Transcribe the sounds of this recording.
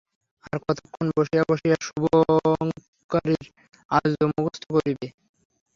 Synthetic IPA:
aɾkɔt̪okʰːonboʃiaboʃijaʃuboŋ | kaɾiɾ | a̰d͡ʑomoɡost̪ʰokoɾibe

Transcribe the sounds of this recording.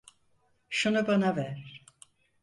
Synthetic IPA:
ʃunubanavæɾ

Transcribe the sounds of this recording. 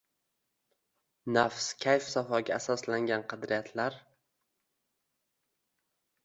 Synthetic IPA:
nafskʲʰajfsafɒɡʲaːsɒslaŋɡʲanqʰɑd̪ɾɪjat̪ʰlaɾ

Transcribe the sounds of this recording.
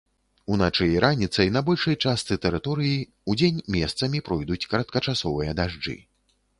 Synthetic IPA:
un̪at͡ʂɨjɾanʲit̪sɐjnɐbɔlʲʂɐjt͡ʂast̪sɨt̪ɛɾɨt̪ɔɾɨji | ud͡zʲenʲmʲɛst̪sɐmʲipɾɔjd̪ut͡sʲkɐɾɐt̪̚kɐt͡ʂasɔvɨjɐd̪aʐd͡ʐɨ̰

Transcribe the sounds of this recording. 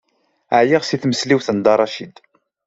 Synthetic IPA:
əʕjiʁsiθməsliwθənd̪ɑɾˤːɑʃid̪

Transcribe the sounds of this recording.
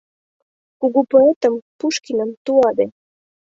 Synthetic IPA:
koɣopoet̪əmpuʃkinəmt̪uɑd̪e

